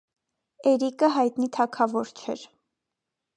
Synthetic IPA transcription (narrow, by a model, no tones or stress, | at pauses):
ɛɾikəɦɑjt̪nit̪ʰɑkʰɑvɔɾt͡ʃʰɛ̰ɾ